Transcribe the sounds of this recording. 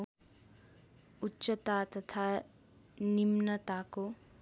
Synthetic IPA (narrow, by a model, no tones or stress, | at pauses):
utːt͡ʃət̪at̪ɐt̪ʰa | nimnɐt̪ako